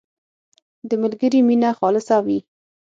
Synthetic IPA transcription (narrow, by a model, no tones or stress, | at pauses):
d̪əmalɡəɾiminaxɑlɪsawi